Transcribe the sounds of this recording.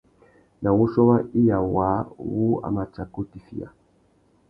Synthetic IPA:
nã˨wo˦ʃɔ˦wa˦i˦ja˨wa˨˦wu˦a̰˨ma˨t͡ʃa˨ko˦ti˨fḭ˨a̰˨

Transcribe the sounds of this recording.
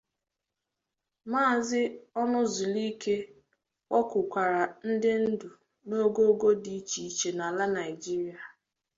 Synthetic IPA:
maː˦˨zɪ˦ɔ˦nʊ˦zʊ˨li˦ke˦ | wɔ˦kʊ˨kʷa˨ɾa˨n̩˦dɪ˦n̩˦dʊ˨ | no˦ɡo˦ɡo˦di˨˦t͡ʃi˨i˨t͡ʃe˨na˨la˦na˨ɪ˨d͡ʒi˦ɾi˦a˨

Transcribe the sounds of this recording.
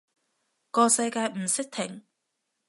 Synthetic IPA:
kɔː˧sɐ˧jkaː˧jm̩˨˩sɪ˥k̚t̪ʰɪ˨˩ŋ

